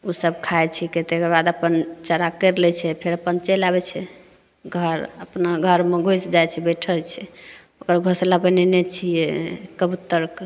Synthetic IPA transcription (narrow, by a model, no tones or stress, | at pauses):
usəb̚kʰajt͡ʃʰɛket̪ekəɾbad̪əpənt͡ʃəɾakəɾlɛt͡ʃʰɛpʰeɾəpənt͡ʃelaβɛt͡ʃʰɛ | ɡʱəɾəpnaɡʱəɾmeɡʱojsd͡ʒajt͡ʃʰɛbɛʈʰət͡ʃʰɛ | okəɾɡʱoslabɛnɛnɛt͡ʃʰijɛkəbut̪əɾk